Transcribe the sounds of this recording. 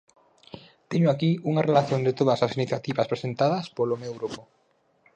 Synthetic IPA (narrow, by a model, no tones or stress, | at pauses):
t̪eɲoakiuŋarelaθjond̪ɪt̪oðɐsasiniθjat̪iβɐspɾesent̪aðɐspolomewɣɾupʊ